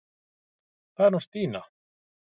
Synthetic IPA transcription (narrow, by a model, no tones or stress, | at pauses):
anost̪iːna